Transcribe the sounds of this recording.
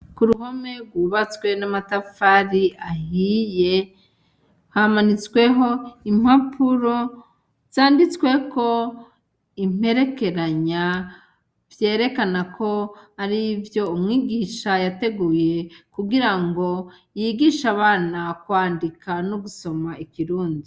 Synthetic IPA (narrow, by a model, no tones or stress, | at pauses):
kuɾuɦo̞me̞ɡwuːβat͡swe̞namatafaɾiahije̞ | hamanit͡swe̞ɦo̞im̥hapʰuɾo̞ | z̥aːndit͡skwe̞ko̞ | im̥e̞ɾe̞ke̞ɾaɲa | vje̞ːɾe̞kanakʰo̞haɾivjo̞umŋiːɡiːʃajate̞ɡuːje̞kuɡiɾaŋɡo̞ | jiɡiːʃaβaːnakwaːndikanoɡuso̞maikiɾuːndi